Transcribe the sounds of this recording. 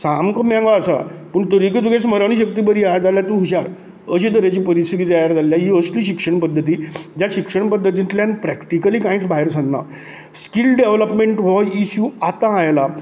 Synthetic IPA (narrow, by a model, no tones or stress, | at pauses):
samkəmjãŋɡaːsa̰pəɳt̪əɾikəd̪uɡẽsməɾaɽ̃iɕəkt̪iːbəɾiːad͡zaljat̪uɦuɕaɾ | əɕid̪əɾat͡ɕiːpəɾist̪ʰit̪it̪əjaɾd͡zaljaɦiəsliːɕikʂəɳpəd̪ʱːət̪iːd͡ʑjaɕikʂəɳpəd̪ʱːət̪̬ĩnt̪lãnpɾɛkʈikəliːkãĩt͡sbʱaɦeɾsʰənːa̰ | skilɖeʋləpmeɳʈʋɔjisjuat̪ãːjla